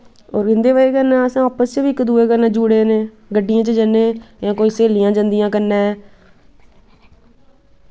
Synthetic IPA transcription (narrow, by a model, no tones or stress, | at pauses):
oːɾɪ̃nd̪eːʋəeːkəɾnɛ̃ːəsãːɔːpəst͡ʃəʋiːkːd̪uːeːkəɾnẽːd͡ʒuɽeːneː | ɡəɖːɪjãːt͡ʃəd͡ʒəneːjãːkoːiːseːlɪjãːd͡ʒãːnd̪ɪjãːkəɾnɛː